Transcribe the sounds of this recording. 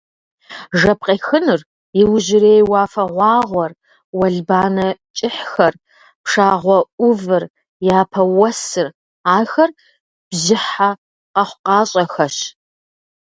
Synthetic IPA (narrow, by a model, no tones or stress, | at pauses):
ʐɐp̚qeːxɨnɨr | jɪwʑɪɾeːjwɑːfɐʁʷɑːʁʷɔr | wɐɮbaːnɐt͡ʃʼɪħxɐr | pʂaːʁʷɔʔʊvɨr | jaːpʰɐwɐsɨr | aːxɐr | b̥zɪħa | qɐχʷʊqɑːɕʼɐxɐɕ